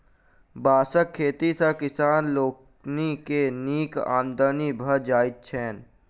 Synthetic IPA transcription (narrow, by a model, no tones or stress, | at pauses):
baːsəkʰːeːt̪isãkɪsaːnloːk | nikeniːka̰ːmd̪ənibʱəd͡ʒaːɪt̪̚t͡ʃʰɛːn